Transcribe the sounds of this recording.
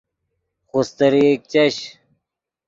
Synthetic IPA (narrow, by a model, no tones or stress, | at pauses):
xust̪ɐɾiek̚t͡ɕɐɕ